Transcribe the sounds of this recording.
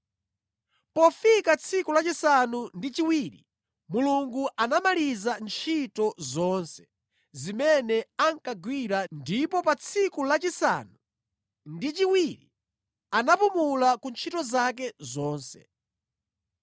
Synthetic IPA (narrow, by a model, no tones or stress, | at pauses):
pɔfikat͡sʰikulat͡ʃisanundit͡ʃiwiːɾḭ | muluŋɡuʔanamalizant͡ʃʰitɔzɔnsɛ̥ | zimɛnɛaŋkaɡwiɾandipɔpat͡sʰikulat͡ʃisa̰nu | ndit͡ʃiwiɾi | anapumulakunt͡ʃʰitɔzak̬ɛzɔːnsɛ̰